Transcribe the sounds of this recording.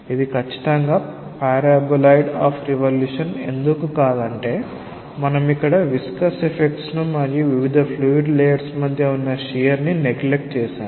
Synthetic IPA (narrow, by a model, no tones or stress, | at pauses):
id̪ikɐt͡ʃːi̥t̪ɐŋɡaː | paːɾaːbɐlɐjɖaːpʰɾiʋɐljuːʂɐne̞̰nd̪ukukaːd̪ɐɳʈe̞ː | mɐnɐmikːɐɽɐʋiskɐsepʰek̚ʈsnumɐɾjiʋiʋid̪ʱɐpʰluːʋiɖlɛːjɐɾsmɐd̪ʱjɐunːɐʃijɐɾnineɡlek̚ʈt͡ʃɛːʃa̰ːm